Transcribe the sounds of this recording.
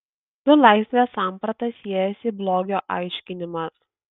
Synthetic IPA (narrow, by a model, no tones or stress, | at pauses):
d̪̥ʊlˠɑˑɪsʲʋʲeːsɑːˑmpɾɐt̪ɐsʲiɛjɛsʲɪblˠoːɡʲoːʔɑˑɪʃʲkʲɪnʲɪmɑ